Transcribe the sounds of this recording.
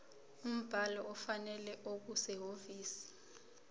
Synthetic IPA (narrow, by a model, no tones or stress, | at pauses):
um̩b̥ʱalɔʔɔfanɛlɛʔok̬usɛɦoviːsi̥